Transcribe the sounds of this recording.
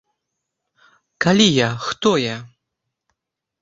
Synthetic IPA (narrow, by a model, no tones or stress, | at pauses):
kalʲijaxt̪ɔja